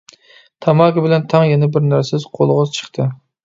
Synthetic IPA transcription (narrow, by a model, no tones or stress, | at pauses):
t̪ʰɑmɑkʲɪbɪlɛnt̪ʰɑŋjɛnɛbɪɾnæɾsɪz̥qʰolˠʁɨzt͡ʃʰə̥χt̪ʰɨ